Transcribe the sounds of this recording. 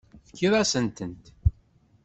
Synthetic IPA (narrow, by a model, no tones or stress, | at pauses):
fkːiðˤasənt̪ənt̪